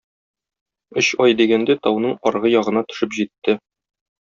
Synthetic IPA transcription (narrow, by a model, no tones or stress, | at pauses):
ɵɕɒjd̪iɡænd̪æt̪ɒwnɤɴɒɾʁɤjɒʁɤ̆nɑt̪ɵ̥̆ʃɘpʑit̪ːɘ